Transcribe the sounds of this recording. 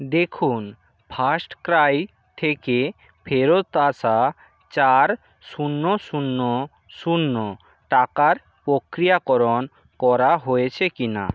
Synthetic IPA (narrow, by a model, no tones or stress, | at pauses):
d̪ekʰun | pʰasʈkɾaj | t̪ʰeke | pʰeɾot̪asa | t͡ɕaɾ | ʃunːosunːo | sunːo | ʈakaɾ | pɾokɾijakɔɾon | kɔɾaɦojet͡ɕʰekina̰